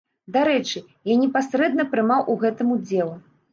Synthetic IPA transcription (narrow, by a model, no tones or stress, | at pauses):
d̪aɾɛt͡ʂɨ | janʲɛpasɾɛd̪nɐpɾɨmawʔuɣɛt̪ɨmud͡zʲɛlˠu